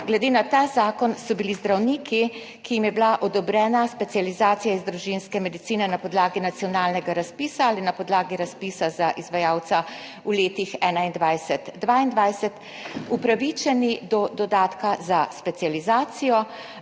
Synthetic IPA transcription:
ɡlɛd̪eːnat̪aːzaːkɔnsɔbilizd̪ɾawniːki | kijimjɛblaʔɔd̪ɔbɾɛːnaspɛt̪ijalizaːt̪sijaizd̪ɾuʒinskɛmɛd̪it̪siːnɛnapɔd̪laːɡinat̪sijɔnaːlnɛɡaɾaspiːsaalinapɔd̪laːɡiɾaspiːsazaʔizʋajaːwt̪sa | uleːt̪ixɛːnaind̪ʋajsɛt̪ːʋaːind̪ʋajsɛt̪ | upɾaʋit͡ʃɛnid̪ɔd̪ɔd̪aːt̪kazaspɛt̪sializaːt̪sijɔ

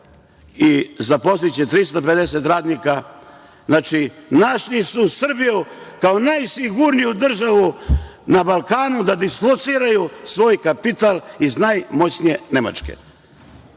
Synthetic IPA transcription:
izapost̪it͡ɕet̪ɾist̪aped̪eset̪ɾaːd̪nika | znat͡ʃinaʃʎisusr̩bijukaonajsiɡuɾnijud̪r̩ʒaʋunabalˠkaːnud̪ad̪isklˠot̪siːɾajusʋo̞ːjkapit̪aliznajmo̞t͡ɕnijenema̰t͡ʃkḛ

